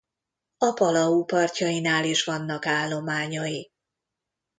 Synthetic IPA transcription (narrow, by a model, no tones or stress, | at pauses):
ɒpɒlɒupɒrcɒjinaːliʃʋɒnːɒkaːlːo̞maːɲɒji